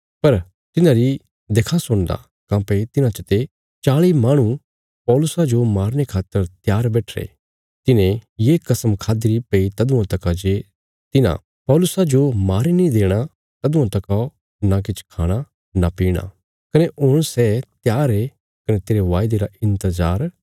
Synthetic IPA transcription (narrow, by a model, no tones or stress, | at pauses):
pɐɾ | t̪ɪnãɾi | d̪eːkʰasʊɽ̃d̪a̰ | kãːpet̪ɪnãt͡ʃət̪e | t͡ʃaːɭimaːɽ̃ũ | pɔːlʊsad͡ʒomaːɾñekʰaːt̪ːəɾt̪jaːɾbɛːʈʰɾḛ | t̪ɪnẽjeːkɐsəmkʰaːd̪iɾipeit̪ɐd̪ʊ̃ãt̪ɐkad͡ʒe | t̪ɪnã̰ | pɔːlʊsad͡ʒomaːɾinĩd̪eːɽ̃a | t̪ɐd̪ʊ̃ãt̪ɐka | nak̬ɪt͡ʃʰkʰaːɽ̃a | napiːɽ̃a̰ | kɐneʔoːɽ̃sɛːt̪jaːɾe | kɐnet̪eːɾeʋaːjd̪eɾaɪ̃nt̪əzaːɾ